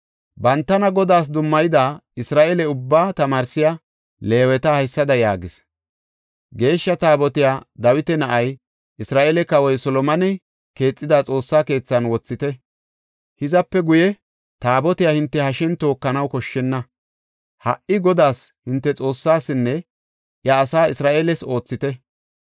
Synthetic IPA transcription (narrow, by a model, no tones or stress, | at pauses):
bɐnt̪ːɐnɐɡɔd̪aːs̬d̪ʊmːɐjɪd̪aːɪsɾaːʔɛlɛʊbːaːt̪ɐmaːɾsɪja | le̞ːwɛt̪ɐhɐjsːɐd̪ɐjaːɡɪs | ɡe̞ːʃːɐt̪aːbɔt̪ɪjaːd̪ɐwɪt̪ɛnɐʔɐj | ʔɪsɾaːʔɛlɛkɐwɔjsɔlɔmɐnɛ | ke̞ːt͡sʼːɪd̪at͡sʼo̞ːsːaːke̞ːt͡sːɐnwɔt͡sːɪt̪ɛ | hɪzɐpːɛɡʊjɛ | t̪aːbɔt̪ɪjahɪnt̪ːɛhɐʃɛnt̪o̞ːkːɐnɐwkɔʃːɛnːɐ | hɐ̰ʔɪɡɔd̪aːshɪnt̪ːɛt͡sʼo̞ːsːaːsːɪnːɛ | ʔjɐːsaːɪsɾaːʔeːlɛso̞ːt͡sːɪt̪ɛ